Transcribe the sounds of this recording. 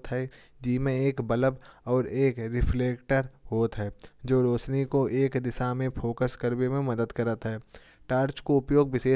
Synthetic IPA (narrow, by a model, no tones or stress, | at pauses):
t̪ɦɛ | d͡ʒiːmẽeːkbələbɔːɾeːkɾɪpʰleːkʈəɾɦoːt̪ɦɛːd͡ʒoːɾoːt͡ʃnikoʔeːkd̪ɪʃamẽpʰoːkəskəɾbemẽmɐd̪əd̪kəɾət̪ɦɛː | ʈaːɾt͡ʃkoʊpjoːɡ̚ʋɪʃeː